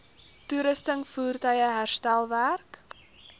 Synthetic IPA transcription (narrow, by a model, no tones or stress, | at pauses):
tuɾəstəŋfuːrtœjəɦærstælˠværk